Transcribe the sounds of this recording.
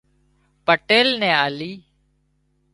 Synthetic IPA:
pəʈeːlnɛ̃ːaːliː

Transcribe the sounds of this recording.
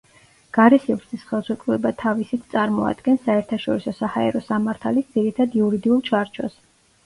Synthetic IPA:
ɡ̥aɾɛsivɾsʰisχɛlˠsɛkʼvuɛbat̪ʰavisit̪ʰt̪sʼaɾmɔa̰d̪ɡɛnsːaɛɾt̪ʰaʃɔɾisɔsahaɛ̰ɾɔsamaɾt̪ʰalisd̪z̥iɾit̪ʰad̪iuɾid̪iulˠt͡ʃʰaɾt͡ʃʰɔ̰s

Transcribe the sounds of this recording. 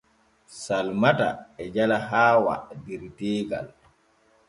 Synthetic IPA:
salmata̰ɛd͡ʒalaɦaːwa̰diɾteːɡa̰l

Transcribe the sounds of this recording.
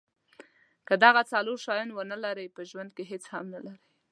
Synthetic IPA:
kəd̪aɣat͡saloɾʃɑjunwənəlaɾəjpəʒwand̪̚keɦet͡shamnalaɾəj

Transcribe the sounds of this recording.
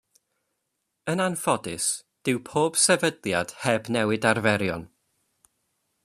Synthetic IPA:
ənanfɔdɪs | d̥ɪwpʰoːb̥sɛvədlˠjad̥hɛbnɛwɨdarvɛɾjɔ̰n

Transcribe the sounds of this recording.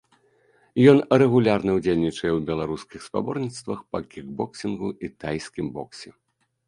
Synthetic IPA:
jɔnɾɛɣulʲarnɐwd͡zʲelʲnʲit͡ʂɐjɛwbʲɛlˠaɾuskʲixspa̰bɔrnʲit̪st̪vɐxpɐkʲiɡbɔksʲinɣuʔit̪ajskʲimbɔ̰ksʲɛ

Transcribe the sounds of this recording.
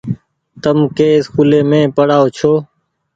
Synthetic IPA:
t̪əmkeːsxʰuleːmẽːpəɽaːoːt͡ʃʰoː

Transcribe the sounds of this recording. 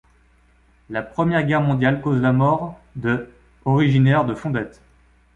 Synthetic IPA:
lapχəmjɛʁɡʲɛʁmɔ̃d̪jalkozlamɔʁd̪ə | ɔʁiʒinɛʁd̪əfɔ̃d̪ɛt̪

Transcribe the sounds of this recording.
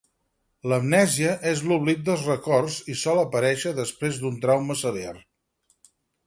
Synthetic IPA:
ləmnɛziəʔezluβlik̚d̪əlˠzrəkɔrzisɔləpəɾɛʃəðəspɾezd̪unt̪ɾawməsəlja̰r

